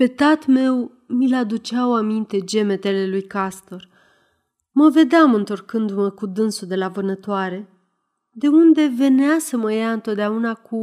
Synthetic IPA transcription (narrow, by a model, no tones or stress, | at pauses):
pe̞t̪at̪me̞w | milad̪ut͡ʃawamint̪e̞d͡ʒe̞me̞t̪e̞le̞lujkast̪o̞r | məve̞d̪eamɨnt̪o̞rkɨnd̪uməkud̪ɨnsud̪e̞lavɨnət̪oaɾe̞ | d̪e̞und̪e̞ve̞neasəməjaɨnt̪o̞t̪̚d̪eaunakʰu